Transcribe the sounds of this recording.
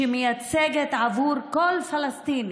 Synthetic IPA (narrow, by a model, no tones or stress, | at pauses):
emejat͡seɡet̪ʕavuɾkolfalast̪in